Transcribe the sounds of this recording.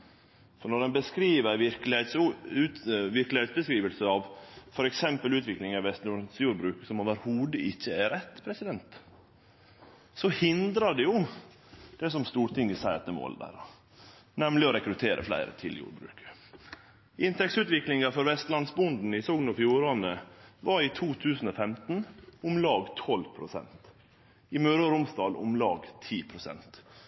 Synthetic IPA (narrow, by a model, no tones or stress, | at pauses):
fɔɳɔdɛnbəskɾiːʋəʋɪɾklɪet̪sʉʋɪɾklɪɛt̪sbəskɾiːʋəlsəɑʋfɔɾɛksɛmpəlʉːt̪ʋɪklɪŋɑʋɛst̪uːsjuːɾbɾʉːksɔmɑːʋəɾhuːd̪əʔɪçːəæɾɛt̪ːpʰɾɛsɪd̪ɛnt̪ | sɔhɪnd̪ɾɑɖɛjʊ | d̪̥ɛsɔmst̪uːɾʈ̪ɪŋːəsæɪɾɑt̪ɛmo̰ːld̪æ̰ːɾ | nɛmlɪɔɾɛkɾʉt̪ʰeːɾʔə̰flæ̰ɪɾə̰t̪ʰɪ̰ljṵːɾbɾʉ̰ːkə̥ | ʔɪnt̪ʰɛksʉːt̪ʋɪklɪŋɑfɔɾʋɛst̪lɑnsbʊnd̪n̩ɪsɔɡnɔfjuːɾɑnəʋɑɾiːt̪ʰuːt̪ʰʉːsn̩ofɛmt̪n̩ʊmlɑːɡt̪ʰɔlpʰɾʊsɛ̰nt̪ | ɪmøːɾʊɾʊmsd̪ɑːlʊ̰mlɑːɡt̪ʰiːpʰɾʊsɛ̰nt̪